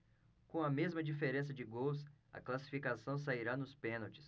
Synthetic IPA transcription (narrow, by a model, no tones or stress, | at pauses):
kõɐmezmɐd͡ʒifeɾẽs̬ɐd͡ʒɪɡowsɐ̰klasi̥fikasɐ̃w̃s̬aiɾanʊspẽnɐwt͡ʃɪ̥s